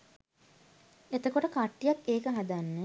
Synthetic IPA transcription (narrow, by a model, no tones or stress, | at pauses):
et̪əkoʈəkaʈːijakeːkəɦad̪anːə